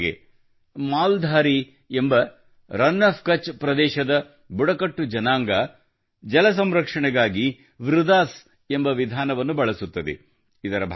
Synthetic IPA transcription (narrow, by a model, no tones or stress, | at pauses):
ḛ | maːld̪ʱaːɾi | embɐ | ɾɐnːɐfkɐt͡ʃpɾɐd̪ɛːʃɐd̪ɐ | buɽɐkɐʈːud͡ʒɐnaːŋɡɐ | d͡ʒɐlɐs̬ɐmɾɐkʂɐɳɛɡaːɡi | ʋɾud̪aːs | e̞mbɐʋid̪ʱaːnɐʋɐnːubɐɭɐsut̪ːɐd̪ḛ | id̪ɐɾɐbʱ